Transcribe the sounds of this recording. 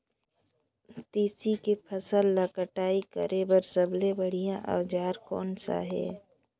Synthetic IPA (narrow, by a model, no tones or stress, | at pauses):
t̪iːsikepʰəsəlːəkəʈaːikə̰ɾʔebəɾsəblebəɽ̤ijaʔə̰ʋd͡ʒaːɾkɔːnsa̰ɦɛ̰ː